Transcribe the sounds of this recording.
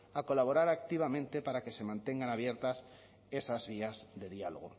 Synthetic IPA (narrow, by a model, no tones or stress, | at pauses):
ako̞laβ̞o̞ɾaɾak̚t̪iβ̞amẽnt̪e̞paɾake̞se̞mãnt̪e̞ŋɡanaβ̞je̞ɾt̪as | e̞sazβiazðe̞ðialoɣ̞o̰